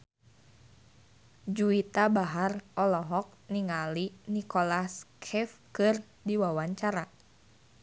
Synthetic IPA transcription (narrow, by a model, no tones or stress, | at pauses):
d͡ʒuit̪abaɦarɔlɔɦɔk̚niŋalinikolaskʰɛfkɨr | diwawaɲt͡ʃaɾa